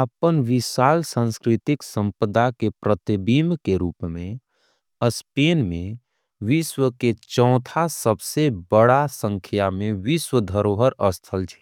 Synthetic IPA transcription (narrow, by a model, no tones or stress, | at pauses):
əpənʋɪʃaːlsãnskɾɪt̪ɪksə̃mpəd̪akepɾət̪ibimkeɾuːpmẽ | əspeːnmẽ | ʋɪʃwəket͡ʃɔ̃ːt̪ʰasəbsebəɽasə̃ŋkʰjamẽʋɪʃwəd̪ʱəɾoɦəɾəst̪ʰəlt͡ʃʰɛ̥